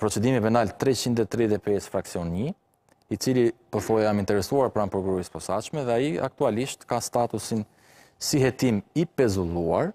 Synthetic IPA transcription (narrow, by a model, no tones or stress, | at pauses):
pɾɔt͡sɛd̪imipɛnalt̪ɾɛt͡ɕind̪ɛt̪ɾɛðɛpɛsfɾaksiɔnɲi | it͡silipəθɔjɛamint̪ɛɾɛsuaɾpɾanpɾɔkuɾɔispɔsaʃmɛðɛajia̰k̚t̪ualiʃt̪kast̪at̪usin | siɦɛt̪imipɛzulˠuaɾ